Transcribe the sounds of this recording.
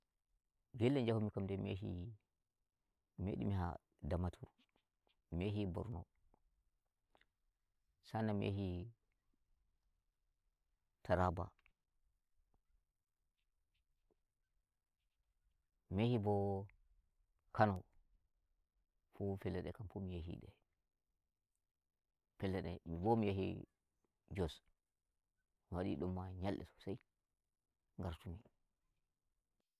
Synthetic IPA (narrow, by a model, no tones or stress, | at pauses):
ɡelːɛnd͡ʒahumikamdɛmḛɦḭ | mḛɗḭmiɦa̰ | damatʰuɾ | meɦibɔ̰ɾnɔ̰ | sanamʔḛhi | tʰaɾaba̰ | mehibɔ | kʰanɔ | fufɛlːɛɗɛkamfumijaɦḭɗɛ̰ | fɛlːɛɗɛmibɔmijaɦḭ | d͡ʒɔs | miwaɗḭɗɔmːaɲalʔɛ̰sɔ̥saj | ŋɡaɾtumi